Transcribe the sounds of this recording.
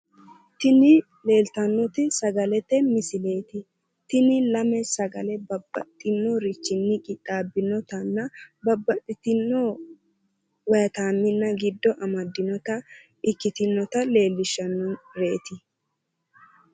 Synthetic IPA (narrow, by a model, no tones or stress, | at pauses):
t̪ɪnɪ | le̞ːlt̪ɐnːɔt̪ɪsɐɡɐlɛt̪ːɛmɪsɪle̞ːt̪ɪ | t̪ɪnɪlɐmɛsɐɡɐlɛbɐbːɐ̰t̪ʼːɪnːɔɾɪt͡ʃːɪnːɪkʼɪt̪ʼːaːbɪnɔt̪ɐnːɐbɐbːɐt̪ʼːɪt̪ɪnːɔ | wɐjɐt̪aːmːɪnːɐɡɪd̪ːɔʔɐmɐd̪ːɪnɔt̪ɐ | ɪkːɪt̪ɪnːɔt̪ɐle̞ːlːɪʃːɐnːɔɾeːt̪ɪ